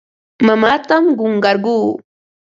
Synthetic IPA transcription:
mamaːt̪amɢoɴɢɑɾɢuː

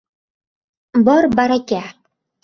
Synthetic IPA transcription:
bɒɾbaɾakʲæ

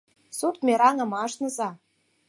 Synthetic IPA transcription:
surt̪mʲeɾɑŋɤ̆mɑʃnɤ̆zɑ

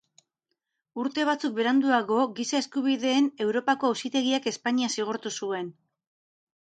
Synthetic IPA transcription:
uɾt̪e̞β̞at͡suk̚be̞ɾand̪uaɣo̞ɣisae̞skuβ̞iðe̞ːne̞wɾo̞pako̞awsit̪e̞ɣiake̞spaɲiasiɣ̞oɾt̪usue̞n

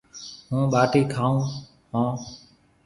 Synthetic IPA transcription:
ɦũːɓaːʈiːkʰaːũː | ɦãː

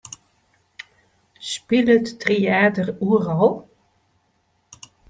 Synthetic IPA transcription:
spɪlətːriaːdəruərɔlˠ

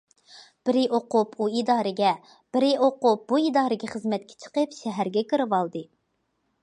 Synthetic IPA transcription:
b̥ɪɾɪʔoqʊpʰuid̪ɑːɾɪɡʲɛ | b̥ɪɾɪʔoqʊp̚buid̪ɑːɾɨɡʲɛχəzmɛt̪̚kʲʰɛ̥t͡ʃʰə̥qəpʃɛɦæɾɡʲɛkɨɾɨwɑlˠd̪ɨ

